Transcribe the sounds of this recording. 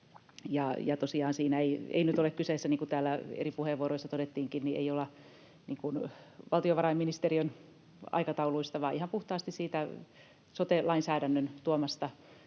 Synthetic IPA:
jɑjɑt̪osiɑːnsiːnæeiḛinyt̪olekkyseːsːæniːŋkut̪æːlːæḛripuheʋːuoɾoisːɑt̪odet̪ːiːŋkinniʔḛiolːɑ | niːŋkunʋɑlt̪ioʋɑrɑimːinist̪eriøn | ɑ̰ikɑt̪ɑuluist̪ɑʋɑːʔihɑmpuht̪ɑːst̪issiːt̪æ | sot̪elɑinsæːɾænːønt̪uomɑst̪ɑ

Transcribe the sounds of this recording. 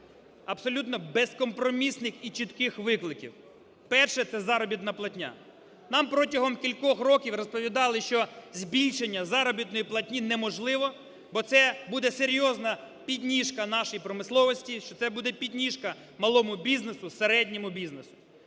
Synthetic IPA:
ɐbsɔlʲut̪nɔbeskɔmpɾɔmʲisnɪxit͡ʃit̪kɪxʋɪklˠɪkʲḭw | pɛrʃɛt̪sɛzɑɾɔbʲit̪nɐplˠɐtʲnʲa̰ | nɑmpɾɔtʲɐɦɔmkʲilʲkɔxrɔkʲiwrɔspɔʋʲid̪ɑlˠɪʃt͡ʃɔzʲbʲilʲʃenʲːɐzɑɾɔbʲit̪nɔjiplˠɐtʲnʲinɛmɔʒlˠɪʋɔ | bɔt̪sɛbud̪ɛseɾʲjɔznɐ | pʲidʲnʲiʃkɐnɑʃɪjipɾɔmɪslˠɔʋɔsʲtʲiʃt͡ʃɔt̪sɛbud̪ɛpʲidʲnʲiʃkɐ | mɐlˠɔmʊbʲiznesʊseɾɛdʲnʲɔmʊbʲiznesʊ̥

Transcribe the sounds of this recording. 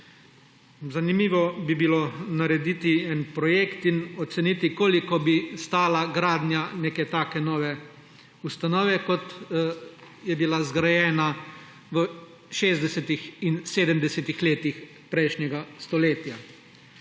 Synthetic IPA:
zanimiːʋɔbibilonaɾɛd̪it̪iɛnpɾɔjeːkt̪inɔt̪sɛnit̪ikoːlikɔbist̪aːlaɡɾaːd̪njaneːkɛt̪aːkɛnɔːʋɛ | ust̪anɔːʋɛkɔt̪ | jɛbilazɡɾajɛːna | ʋə | ʃeːzd̪ɛsɛt̪ixinseːd̪əmd̪ɛsɛt̪ixleːt̪ix | pɾɛjʃnɲɛɡast̪ɔleːt̪ja

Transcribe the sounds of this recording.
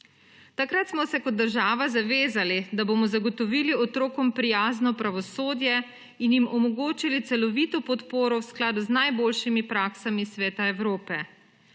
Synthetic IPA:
t̪akɾat̪smɔsɛkɔd̪̚d̪ːəɾʒaːʋazaʋeːzalid̪aboːmɔzaɡɔt̪ɔʋiːliɔt̪ɾoːkɔmpɾijaːznɔpɾaʋɔsoːd̪jɛ | injimʔɔmɔɡoːt͡ʃilit̪sɛlɔʋit̪ɔpɔt̪poːɾɔwsklaːd̪uznajboːlʃimipɾaːksamisʋɛːt̪aɛwɾoːpɛ

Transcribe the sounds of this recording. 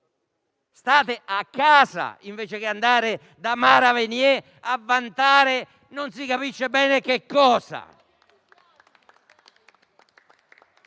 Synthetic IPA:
st̪aːt̪ɪʔakːaːsa̰iɱveːt͡ʃekɪand̪aːɾɪ | d̪amaːɾavenjɛ | avːant̪aːɾe | nonsikapiʃːebɛːnekekːɔːsa̰

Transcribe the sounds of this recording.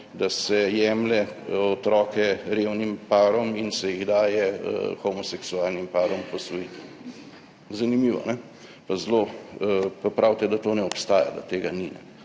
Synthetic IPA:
d̪asɛjɛːmlɛɔt̪ɾɔːkɛɾewnimpaːɾɔminsɛjiɣd̪aːjɛ̰xɔmɔsɛksuaːlnimpaːɾɔmpɔsɔit̪ | zanimiʋɔ̰nɛ | pazloː | pɐpɾawt̪ɛd̪at̪oːnɛɔpst̪aːja̰d̪a̰t̪eːɡaninɛ̰

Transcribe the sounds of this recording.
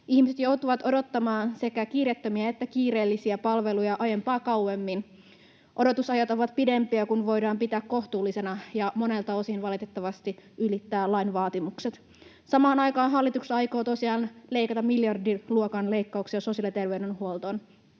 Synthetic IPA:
ʔihmise̞t̪jo̞wt̪uʋɑt̪o̞do̞t̪ːɑmɑːnse̞kækiːret̪ːømiæet̪ːækiːɾe̞ːlːisiæpɑlʋe̞lujɑʔɑjempɑːkɑwwemːin | ʔo̞do̞t̪usɑjɑt̪oʋɑt̪̚pide̞mpiækunʋo̞jdɑːmpit̪æːkko̞ht̪uːlːise̞nɑjɑmo̞ne̞lt̪ɑo̞sinʋɑlit̪et̪ːɑʋɑst̪iylit̪ːæːlɑinʋɑːt̪imukset̪ | sɑmɑːnɑjkɑːnɦɑlːit̪uksɑjko̞ːt̪osiɑːnle̞ikɑt̪ɑmiljɑrdiluokɑnle̞ikːɑuksiɑsosiɑlit̪e̞rʋeydenhuolt̪o̞n

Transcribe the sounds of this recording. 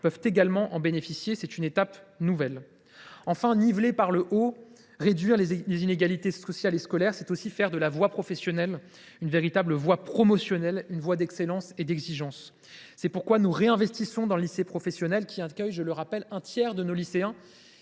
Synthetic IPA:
pœvt̪eɡalmɑ̃ʔɑ̃benefisjesɛt̪ynet̪apnuvɛl | ɑ̃fɛ̃nivlepaʁləʔo | ʁed̪ɥiʁllezineɡalit̪esɔsjaleskɔlɛʁsɛt̪osifɛʁd̪əlavwapχɔfɛsjɔnɛl | ynveʁit̪abləvwapχɔmɔsjɔnɛlynvwad̪ɛkselɑ̃sed̪ɛɡziʒɑ̃sː | ɛpuʁkwanuʁeɛ̃vɛst̪isɔ̃d̪ɑ̃ləlisepχɔfɛsjɔnɛlkʲʰiakʲœjʒələʁapɛlɛ̃t̪jɛʁd̪ənoliseɛ̃

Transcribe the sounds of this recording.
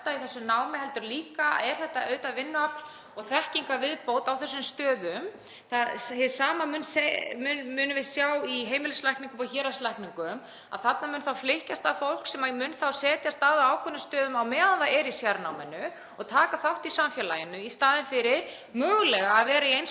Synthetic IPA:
t̪aiθɛsːʏnaːwmɪhɛlt̪ʏɾliːka̰ɛɾ̥θɛht̪aœːɥt̪avɪnːʏapl̥ | ɔɣθɛhciŋkavɪðpowt̪awθɛsːʏmst̪œːðʏm | θaðhɛsaːmamʏnsemʏmʏːnʏvɪðsjawiɦeːjmɪlɪslajhkniŋkʏmɔçɛːɾaslajhkniŋkʏm | a̰ðθat̪namʏːnθawflɪhcast̪avfowl̥ksɛmamʏnθawsɛːt̪jast̪aðaːwkʰœnːʏst̪œːðʏmawmɛːðanθaɛɾisjaɾnawmɪnʏ | ɔɣt̪ʰaːkaθawht̪isamfjɛlajɪnʏist̪aːðɪnfɪɾɪɾ̥ | mœːɣlɛɣaːðvɛːɾaiejn

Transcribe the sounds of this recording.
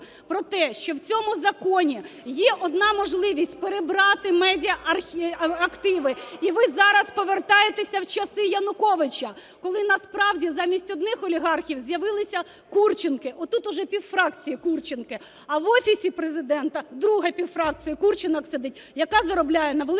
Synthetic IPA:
pɾɔt̪ɛʃt͡ʃɔwt͡sʲɔmʊzɐkɔnʲijɛʔɔd̪nɑmɔʒlˠɪʋʲisʲtʲpeɾebɾɑt̪ɪmɛdʲiɐʔɐrʲɐkt̪ɪʋɪiʋɪzɑɾɐspɔʋert̪ɑjet̪esʲɐwt͡ʃɐsɪjɐnʊkɔʋɪt͡ʃɐ | kɔlˠɪnɐspɾɑwdʲizɑmʲisʲtʲɔd̪nɪxɔlʲiɦɑrxʲiwzjɐʋɪlˠɪsʲɐ | kurt͡ʃɪnkɪʔɔt̪ut̪ʊʒɛpʲiwfɾɑkt͡sʲijikurt͡ʃɪnkɪ | ɐʋɔfʲisʲipɾezɪd̪ɛnt̪ɐd̪ɾuɦɐpʲiwfɾɑk̚t͡sʲijɐkurt͡ʃɪnɐksɛd̪ɪt̚ʲ | jɐkɑzɐɾɔblʲajɛnɐʋelˠ

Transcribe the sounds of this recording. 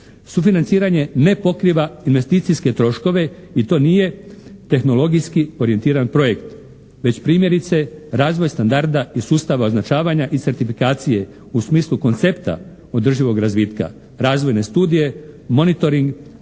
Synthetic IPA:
sufinant̪siːɾaɲe̞ne̞po̞kɾiʋainʋe̞st̪iːt̪sijske̞t̪ɾo̞ʃko̞ʋe̞it̪o̞ːnije̞t̪e̞xno̞lo̞ɡijskio̞ɾie̞nt̪iːɾanpɾo̞je̞kt̪ | ʋe̞t͡ɕpɾiːmje̞ɾit̪se̞ɾaːzʋo̞jst̪and̪aɾd̪aisuːst̪aʋao̞znat͡ʃaːʋaɲaʔit̪se̞ɾt̪ifikaːt̪sije̞ | usmiːsluko̞nt̪se̞pt̪a̰ | o̞d̪r̩ʒiʋo̞ɡɾazʋiːt̪ka̰ | ɾaːzʋo̞jne̞st̪uːd̪ije̞mo̞nit̪o̞ɾiŋɡ

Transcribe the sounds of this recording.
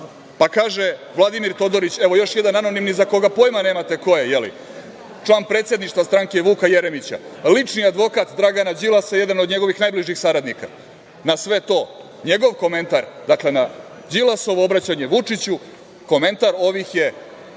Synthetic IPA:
pakaːʒeʋlˠad̪imiɾt̪o̞d̪o̞ɾit͡ɕeʋo̞jo̞ʃje̞d̪ananonimnizako̞ɡapo̞jmaneːmat̪e̞ko̞jejelḭ | t͡ʂlˠaːnpɾet̪sje̞d̪niʂt̪vast̪ɾaŋkeʋuːkajeɾemit͡ɕa̰lit͡ʂniad̪ʋo̞kat̪d̪ɾaɡanad͡ʑilˠasaje̞d̪ano̞d̪ɲe̞ɡo̞ʋixnajbliʒixsaɾad̪nika̰ | nasʋe̞t̪o̞ː | ɲe̞ɡo̞ʋko̞me̞nt̪aɾd̪akle̞na | d͡ʑilˠaso̞ʋoobɾat͡ɕaɲe̞ʋut͡ʂit͡ɕu | ko̞me̞nt̪aɾo̞ʋixje̞

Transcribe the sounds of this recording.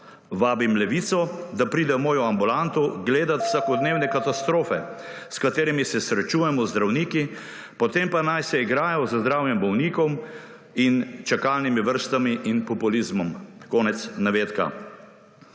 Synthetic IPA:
ʋaːbimlɛʋiːt̪sɔd̪apɾiːd̪ɛwmoːjɔambulant̪ɔɡleːd̪at̪w̥sakɔd̪neːwnɛkat̪ast̪ɾoːfɛ | skat̪eːɾimisɛsɾɛt͡ʃuːjɛmɔzd̪ɾawniːki | pɔt̪empanajsɛiɡɾaːjɔzzd̪ɾaːwjɛmbɔwniːkɔm | int͡ʃɛkalnimiʋəɾst̪amiʔinpɔpulizmɔmkɔːnɛt̪snaʋeːt̪ka̰

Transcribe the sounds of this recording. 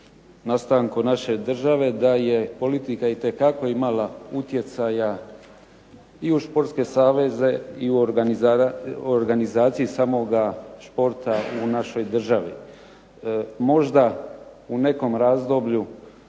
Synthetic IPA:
nast̪aŋkonaʃe̞d̪r̩ʒaʋe̞d̪aje̞po̞lit̪ikait̪e̞kako̞imalaut̪je̞t̪saja | iuʃpo̞ɾt̪ske̞saːʋe̞ze̞iua | oɾɡanizaːt̪sijisamo̞ɡaʃpo̞ɾt̪aunaʃo̞jd̪r̩ʒaʋḭ | mo̞ʒd̪aune̞ko̞mɾaːzd̪o̞bʎu

